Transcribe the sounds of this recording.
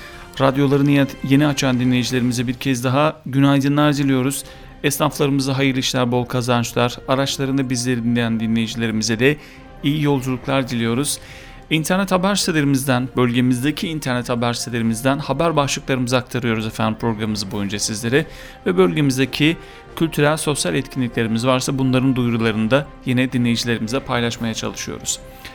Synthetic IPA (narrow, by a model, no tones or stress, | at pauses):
ɾad̪jo̞lˠaɾɯnje̞niat͡ʃʰand̪inlʲejid͡ʒilʲe̞ɾimizɛbiɾcʰɛzd̪aɦaɟynajd̪ɯnlˠaɾd̪ilʲijo̞ɾuz̥ | ɛsɾaflˠaɾɯmɯzaɦajɯɾlʲiʃlʲæɾbo̞lˠkʰazant͡ʃlˠaɾaɾat͡ʃlˠaɾɯnd̪abizlʲe̞ɾid̪inlʲejænd̪inlʲe̞jid͡ʒilʲe̞ɾimizɛd̪ɛ | ijijo̞lˠd͡ʒulˠuklˠaɾd̪ilʲijo̞ɾuz̥ | int̪ʰæɾnɛt̪habæɾsit̪elʲeɾimizd̪ænbølʲɟe̞mizd̪ecʰiːnt̪ʰæɾnɛt̪habæɾst̪elʲe̞ɾimizd̪ænhabæɾbaʃlˠɯklˠaɾɯmɯzɯak̚t̪ʰaɾɯjo̞ɾuzɛfænd̪impʰɾo̞ɡɾamɯzɯbo̞jund͡ʒasizlʲe̞ɾɛ | vɛbølʲɟe̞mizd̪ecʰi | cʰylʲt̪ʰyɾælʲso̞sjalʲɛt̪cʰinlʲiclʲe̞ɾimizvaɾsabunlˠaɾɯnd̪ujɾulˠaɾɯnd̪ajenɛd̪inlʲe̞jid͡ʒilʲe̞ɾimizɛpʰajlˠaʃmajat͡ʃʰa̰lˠɯʃɯjo̰ɾuz̥